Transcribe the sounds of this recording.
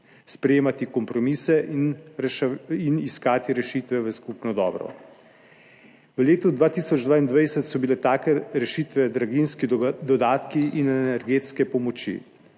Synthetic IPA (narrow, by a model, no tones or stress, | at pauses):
spɾɛjeːmat̪ikɔmpɾɔmisɛʔinʃiniskaːt̪iɾɛʃit̪ʋɛʋəskupnɔd̪ɔ̰ːbɾɔ̰ | ʋəleːt̪ud̪ʋaːt̪isɔd͡ʒd̪ʋaːind̪ʋajsɛt̪sɔbilɛt̪aːkɛɾɛʃiːt̪ʋɛd̪ɾaɡinskid̪ɔd̪aːt̪kiʔinɛnɛɾɡeːt̪skɛpɔmɔt͡ʃḭ